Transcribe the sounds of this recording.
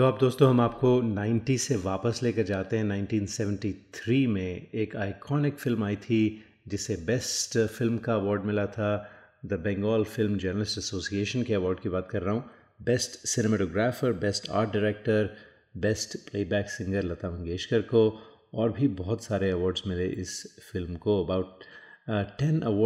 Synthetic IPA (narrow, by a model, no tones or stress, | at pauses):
t̪oaːp̚d̪oːst̪õɦɐmaːp̚konãːɪ̃ɳʈiseʋaːpəsleːkɐɾd͡ʒaːt̪eɦɛ̃nãɪ̃nʈiːnsɛʋə̃ɳʈit̪ʰɾiːmẽeːkaːɪkʰɔːnɪkfɪlmaːit̪ʰi | d͡ʒɪsebɛsʈfɪlmkaɐʋɔːɾɖmɪlat̪ʰa | d̪ɐbɛ̃ːŋɡɔːlfɪlmd͡ʒɐɾnəlɪsʈɐsoːsieːʃənkeɐʋɔːɾɖkibaːt̪kɐɾːɐɦũː | bɛsʈsɪnemɛːʈoːɡɾaːfəɾbɛsʈa̰ːɾʈ̚ɖɪɾɛːk̚ʈəɾ | bɛsʈpleːbɛːksɪ̃ŋɡəɾlɐt̪aːʋɐ̃ŋɡeːʃkəɾko | ɔːɾbʱibɔɦʊt̪saːɾeɐʋɔːɾɖzmɪleʔɪsfɪlmkoɐbaʊʈ̚ː | ɛ̃nɐʋɔː